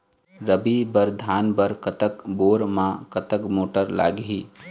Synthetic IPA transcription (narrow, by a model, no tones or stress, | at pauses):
ɾəbibəɾd̪ʱaːnbəɾkət̪əkboːɾmãkət̪əkmoːʈəɾla̰ːɡɦiː